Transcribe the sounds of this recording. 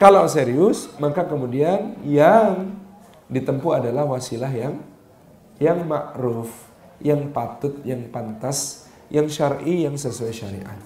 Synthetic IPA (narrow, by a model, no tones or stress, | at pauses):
kalawseɾiʊsmakakəmudianjaŋ | dit̪əmpuadalahwasilaɦjaŋ | jaŋmaʔɾʊf | jaŋpat̪ʊt̪̚jaŋpant̪as | jaŋʃarijaŋsəsuaʃaɾḭʔa